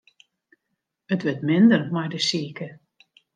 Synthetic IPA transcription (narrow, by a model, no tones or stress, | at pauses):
ətʋətmɪndərmɛjdəsiəkə